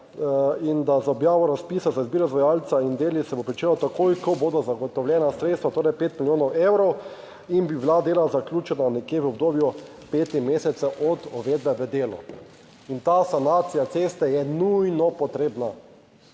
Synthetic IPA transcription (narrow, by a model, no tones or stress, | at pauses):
ind̪azaɔbjaːʋɔɾaspiːsazaizbiːɾɔzʋajaːlt̪saind̪eːlisɛbopɾit͡ʃeːlɔt̪akojkɔboːd̪ɔzaɡɔt̪ɔwljɛnasɾet̪st̪ʋat̪oːɾɛjpeːt̪miljoːnɔwewɾɔw | inbibilad̪eːlazaklʲjuːt͡ʃɛnanekjeʋəɔb̚d̪oːbju | peːt̪imeːsɛt̪sɛʔɔd̪ɔʋeːd̪bɛʋəd̪eːlɔ̰ | int̪aːsanaːt̪sijat̪sest̪ɛjɛnujnɔpɔt̪ɾeːbna